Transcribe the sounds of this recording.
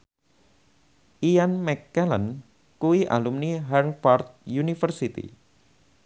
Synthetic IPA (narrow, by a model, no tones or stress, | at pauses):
ʔianmɛkːɛlən | kuiʔa̰lumniɦɛrfart̪̚junifərsit̪ḭ